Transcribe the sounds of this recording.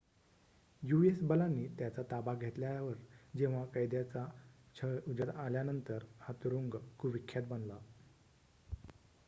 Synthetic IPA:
juesbəlanːiːt̪jat͡sat̪abaɡʱet̪ljaʋəɾd͡ʑeʋ̤akəjd̪jat͡sat͡ɕʰəud͡ʑət̪aljanənt̪əɾhat̪uɾuŋɡkuʋikʰːjat̪̚bənla

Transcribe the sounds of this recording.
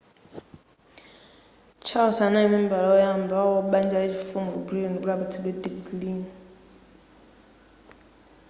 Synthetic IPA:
t͡ʃʰasanaimim̩balɔɔjambawɔɓand͡ʒaid͡ʒifumɔbɾinbuɾabutʰibɛdiɡlin

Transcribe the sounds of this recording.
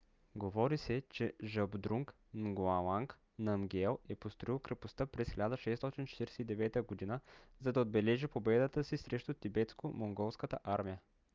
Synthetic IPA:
ɡovɔɾisɛt͡ʃɛʒɐbd̪ɾuŋk | nɡoalˠaŋk | nɐmɡʲɛlˠɛpost̪ɾoilˠkɾɛpost̪apɾɛsxilʲad̪əʃɛst̪ɔt̪int͡ʃɛ̥t̪iɾɛsɛid̪ɛvɛt̪əɡod̪inəzɐd̪ɐod̪bɛlɛʒipobɛd̪ət̪əsisɾɛʃt̪ʊt̪ibɛt̪skomoŋɡɔlˠskət̪ə̰ʔaɾmijə

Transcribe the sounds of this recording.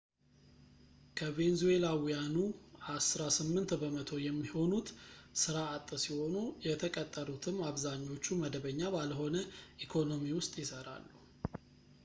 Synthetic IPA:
kʰəve̞nzue̞lawijanuasɾasɨmːɨnt̪bəmət̪ʰo̞jɛmːiho̞nut̪sɨɾaːt̪ʼːəsiho̞nujɛt̪ʰəkʼət̪ʼːəɾut̪ʰɨmːaβzaɲːo̞t͡ʃːuməd̪əβəɲːabalɦo̞nəʔikʰo̞no̞miwʊst̪ʼjɪsəɾa̰lːu

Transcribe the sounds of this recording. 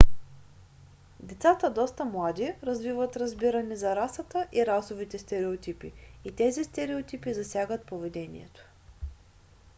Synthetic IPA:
d̪ɛt̪sat̪əd̪ɔst̪əmlˠad̪iɾɐzvivət̪ɾɐzbiɾənizɐɾasət̪əʔiɾasʊvit̪ɛst̪ɛɾɛot̪ipiːt̪ɛzist̪ɛɾɛot̪ipizɐsʲjaɡət̪̚povɛd̪ɛnḭɛ̰t̪o̥

